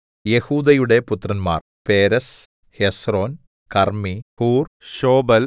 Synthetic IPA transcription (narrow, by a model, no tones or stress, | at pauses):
jehuːd̪ɐjuɽepʊt̪ːrɐnma̰ːr | peːɾɐs | hesroːn | kɐrmihuːrʃoːbɐl